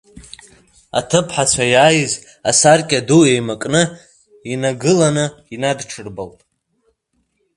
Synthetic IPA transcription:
a̰tʰɨpʰħat͡ɕʷʰajaːjɨz | asarkʲʼaduejmakʼnɨ | inaɡɨlanɨinadʈ͡ʂʰɨrbaltʼ

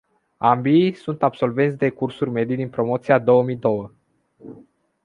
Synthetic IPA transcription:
ambisunt̪abso̞lve̞nt̪ʲd̪e̞kursurʲme̞d̪ijd̪inpɾo̞mo̞t̪sijad̪o̞wəmijd̪o̞wə

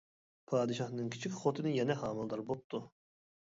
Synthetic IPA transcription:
pʰɑːd̪ɨʃɑχnɨŋkʲʰi̥t͡ʃʰikʲχot̪ʰɨnɨjɛnɛɦɑːmɨlˠd̪ɑɾbop̚t̪ʰu

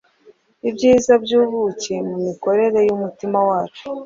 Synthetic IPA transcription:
ibɟiːzabɟuːβucemumiko̞ɾe̞ɾe̞jumutimawaːt͡ʃu̥

